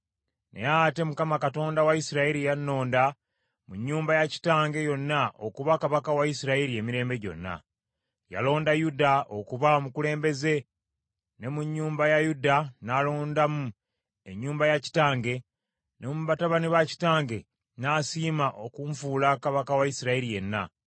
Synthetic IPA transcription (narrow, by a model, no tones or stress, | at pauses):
nḛjaate̞mukamakato̞ːndawaisiɾaiɾijanːo̞ːnda | muɲːuːmbajaci̥taːŋɡe̞jo̞nːaʔo̞̰kuβakaβakawaisiɾaiɾie̞miɾe̞ːmbe̞ɟo̞̰nːa̰ | ja̰lo̞ːndajudao̞kuβaomukule̞ːmbe̞ze̞ | ne̞muɲːuːmbajajudanalo̞ːndamu | e̞ɲːuːmbajaci̥taːŋɡe̞ | nemuβataβaniβaci̥taːŋɡe̞ | naːsiːmaʔokuɱfuːlakaβakawaisiɾaiɾije̞nːa̰